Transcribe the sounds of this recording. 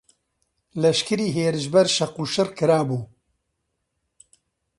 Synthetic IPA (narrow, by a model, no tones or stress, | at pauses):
lɐʃkɨɾiːɦeːɾɨʃbɐɾʃɐquːʃɨrkɨɾaːbuː